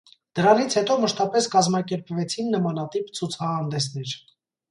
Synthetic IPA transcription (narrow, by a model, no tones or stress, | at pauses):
d̪̥əɾɑnit͡sʰhɛt̪ɔməʃt̪ɑpɛskɑzmɑkɛɾpvɛt͡sʰinːəmɑnɑt̪ipt͡sʰut͡sʰɑhɑnd̪ɛsnɛɾ